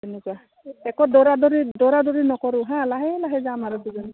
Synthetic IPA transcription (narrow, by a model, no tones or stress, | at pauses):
ɛnɛkua | ɛkɔdɔɹadɔɾidɔɾadɔɹinɔkɔɹʊɦãlaɦɛlaɦɛzamaɾɔduzɔn